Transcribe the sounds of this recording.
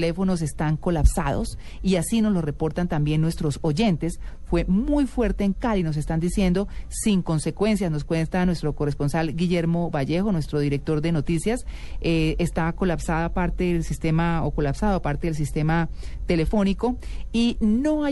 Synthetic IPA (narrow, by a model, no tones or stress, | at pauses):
lefo̞no̞s̬e̞st̪aŋko̞lapsa̰ðo̞̰s | iasino̞slo̞sre̞po̞ɾt̪ant̪ambje̞nːwe̞st̪ɾo̞so̞ʝe̞nt̪e̞sfwe̞mujfwe̞ɾt̪e̞ːŋkaɾinos̬e̞st̪and̪isje̞nd̪o̞siŋko̞nse̞kwe̞nsjasno̞skwe̞nt̪anwe̞st̪ɾo̞korespo̞nsalɡiʝe̞ɾmo̞βaʝe̞xo̞nwe̞st̪ɾo̞ðiɾe̞k̚t̪o̞ɾd̪e̞no̞t̪isjaseest̪ako̞lapsaðaapaɾt̪e̞ðelsist̪e̞mao̰ko̞lapsaðoapaɾt̪e̞ðels̬ist̪e̞mat̪e̞le̞fo̞niko̞ | inoa